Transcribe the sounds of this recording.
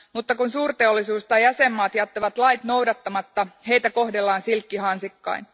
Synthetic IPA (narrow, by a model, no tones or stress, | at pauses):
mut̪ːɑkunsuːrt̪e̞o̞lːisuːst̪ɑjæse̞mːɑːt̪jɑt̪ːɑʋɑt̪lɑjt̪nowdɑt̪ːɑmɑt̪ːɑɦe̞jt̪æko̞hdelːɑːnsilkːihɑnsikːɑ̰in